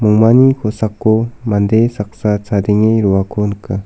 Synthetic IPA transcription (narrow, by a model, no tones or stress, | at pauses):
muŋmanikʰosakːomand̪esak̚sat͡sʰad̪iŋeɾuwakonəka